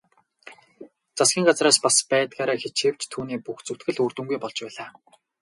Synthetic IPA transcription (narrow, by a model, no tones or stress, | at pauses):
t͡sasɡʲiːŋɢat͡sraːspaspæːt̪ɡaːɾaːxet͡ɕxĕːw̥t͡ɕt̪ʰːuːniːpuxt͡sɵwʰt̪xɘ̆ɮurt̪ŭŋɡujpɔɮt͡ɕpæːɮaː